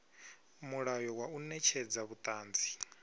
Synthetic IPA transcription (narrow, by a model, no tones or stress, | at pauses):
muɺajɔwaunɛt͡ʃʰɛd͡zaβut̪ʼaːnd͡zi̥